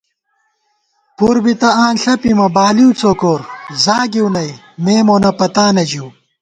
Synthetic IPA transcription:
puɾbit̪ɐaːnɬɐpimɐbaːliut͡soːkoːɾzaːɡiwnɐj | meːmonɐpɐt̪aːnɐd͡ʑiː

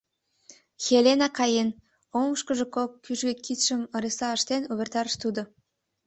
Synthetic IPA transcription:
xʲelenɑkɑjen | omʃkə̆ʒĕkokːyʒɡĕkit̪ʃə̆mə̆ɾesɑəʃt̪enuβʲert̪ɑɾəʃt̪ud̪ŏ

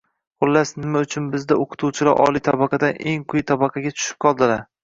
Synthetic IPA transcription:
qʊlːasnɪmaʊt͡ʃʰʊnbɪzd̪aoqʰʊ̥t̪ʰuwt͡ʃʰɪlaɾʔɒ̰lˠit̪ʰabɑqʰɑd̪anʔe̞ŋqʰʊjt̪ʰabɑqʰɑɡʲat͡ʃ̪ʰʊ̥ʃɪp̚qʰɒlˠd̪ɪlaɾ

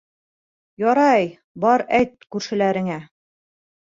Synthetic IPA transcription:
jɒɾɑj | bɒɾæjt̪̚kʉɾʃɘ̆læɾɘ̆ŋæ

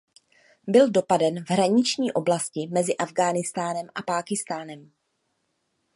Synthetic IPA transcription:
bɪldo̞padɛnvɦɾaɲɪt͡ʃɲiːʔo̞blascɪmɛzɪʔavɡaːnɪst̪aːnɛmʔapaːkɪst̪aːnɛm

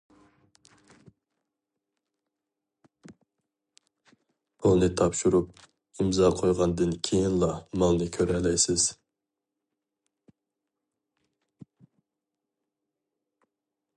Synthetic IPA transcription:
ulˠnɨt̪ʰɑpʃuɾup̚ | imzɑqʰojʁɑnd̪ɨnkʲʰejinlˠɑmɑlˠnɨkʲʰøɾɛlɛjsɪz̥

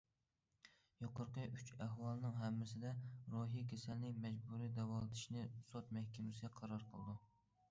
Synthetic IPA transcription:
joqəɾqəyt͡ʃæɦwɑlˠɨnɨŋɦɛmːɪsɪd̪ɛɾoɦikʲʰesælnɪmɛd͡ʒbuɾijd̪ɛwɑlˠɨd̪ɪʃnɪsɑt̪mɛhkʲɛmɪsɪɡʲɛqʰɑɾɑɾqʰəlˠɨd̪u

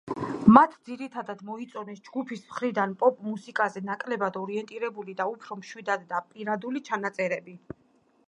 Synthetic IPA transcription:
mat̪ʰd̪ziɾit̪ʰad̪ad̪mɔit̪sʼɔnɛsd͡ʒɡupʰismχɾid̪anpʼɔpʼmusikʼazɛnakʼlɛbad̪ɔɾiɛnt̪ʼiɾɛbulid̪aupʰɾɔmʃwid̪ad̪ːapʼiɾad̪ulit͡ʃʰanat̪sʼɛɾɛbi

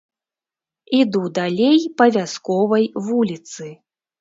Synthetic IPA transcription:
id̪ud̪alʲejpɐvʲaskɔvɐjvulʲit̪sɨ

